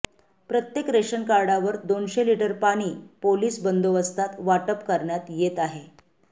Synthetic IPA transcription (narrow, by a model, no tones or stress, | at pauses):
pɾət̪jekɾeɕənkaɾɖaʋəɾd̪onɕeliʈəɾpaɽ̃iːpoliːsbənd̪oʋəst̪ʰat̪ʋaʈəpkəɾɳjat̪jet̪aɦe